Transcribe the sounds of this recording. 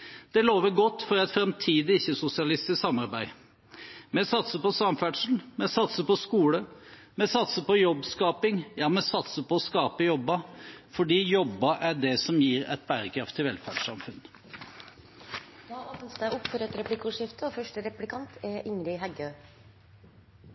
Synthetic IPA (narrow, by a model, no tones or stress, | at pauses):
d̪̥ɛloːʋəɾɡɔt̪ːfɔɾɛt̪fɾɛmt̪ʰiːd̪ɪɪçːəsʊsɪɑlɪst̪ɪssɑmɑɾbæɪ | mɛsɑt̪səpɔsɑmfæːɖʂl̩mɛsɑt̪səpɔskuːlə | mɛsɑt̪səpɔjɔbːskɑːpɪŋjɑːmɛsɑt̪səpɔɔskɑːpəjɔbːɑfɔɖiːjɔbːɑʔæɖɛsɔmjiːɾɛ̰t̪̚bæːɾəkʰɾɑft̪ʰːɪlʋɛlfæ̰ɖʂɑ̰mfʉnː | ɑɑt̪nst̪æʔʊpfɔɾɛt̪ɾɛplɪkuːʂɪft̪əɔfœʂʈəɾɛplɪkʰɑnt̪ɛʔɪŋɾɪɦæɡø